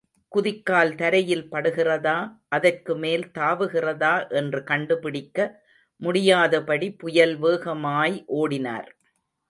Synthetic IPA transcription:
kʊðɪkːaːlt̪ɐɾɐjɪlpɐɽɯɣɪrɐðaːʔɐðɐrkɯmeːlt̪aːʋɯɣɪrɐðaːʔɛndrɯkɐɳɖɯpɪɽɪkːɐ | mʊɽɪjaːðɐpɐɽipʊjɐlʋeːɣɐmaːjʔoːɽɪna̰ːɾ

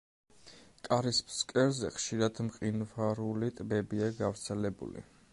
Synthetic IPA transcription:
kʼaɾispʰskʼɛɾzɛχʃiɾad̪mqʼinvaɾulit̪ʼbɛbiaɡavɾt̪sʰɛlɛbṵlḭ

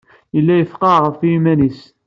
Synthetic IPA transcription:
jəlːæjəfqɑʁəfjimænis

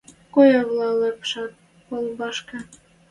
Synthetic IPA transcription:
kojɑβlˠɑlɤpʃɑt̪̚ | polˠbɑʃkɤ̆

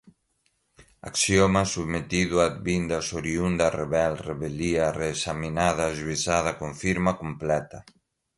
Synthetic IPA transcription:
a̰ksjomasuβmet̪iðwad̪̚βind̪asoɾiund̪areβɛlreβeliareːsaminað̞aʒuisað̞ɐkoɱfiɾmakomplɛt̪a

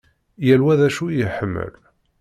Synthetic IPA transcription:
jælwæðæʃujəħəmːə̰l

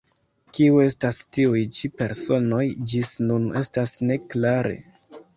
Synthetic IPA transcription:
kiue̞stastiujt͡ʃipe̞ɾso̞no̞jd͡ʒisnune̞stasne̞klaɾʔe̞̰

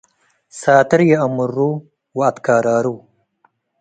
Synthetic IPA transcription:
saːt̪ɪɾjeɐmuɾːu | waːt̪kaːɾaːɾu

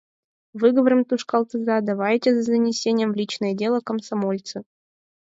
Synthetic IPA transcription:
vɨɡəvəɾɨmt̪uʂkalˠt̪ɨzɑd̪ɐvajtʲezɐzənʲɪsʲenʲɪjəmvlʲit͡ɕnəjədʲe̞lˠəkəmsɐmolʲt̪sɨ

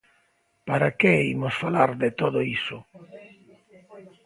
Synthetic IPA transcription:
paɾakeimosfalaɾd̪et̪oðoisʊ

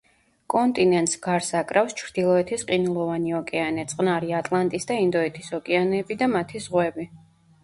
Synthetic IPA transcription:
kʼɔnt̪ʼinɛnt̪ʼsɡaɾsakʼɾafst͡ʃʰɾd̪̥ilˠɔɛt̪ʰisqʼinulˠɔvaniɔkʼɛanɛt̪sʼqʼnaɾiat̪ʼlˠant̪ʼisd̪aind̪ɔɛt̪ʰisɔkʼɛanɛːbid̪amat̪ʰizʁwɛbi

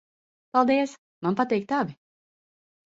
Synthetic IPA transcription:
palˠd̪iəs | manpat̪ɛjk̚t̪abi

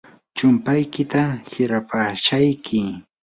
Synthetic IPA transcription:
t͡ʃʊmpajkɪt̪ahɪɾapaʃajkʰɪ

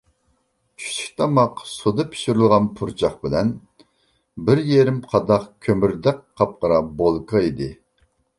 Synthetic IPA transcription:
t͡ʃʰy̥ʃʰi̥kʲt̪ʰɑmɑqsud̪ɨpʰi̥ʃyɾɨlˠʁɑnpʰuɾt͡ʃʰɑχbɪlɛn | bɪɾjeɾɪmqʰɑd̪ɑqkʲʰømyɾd̪ɛk̚ʲqʰːɑp̚qəɾɑbolˠkʰɑid̪ɪ

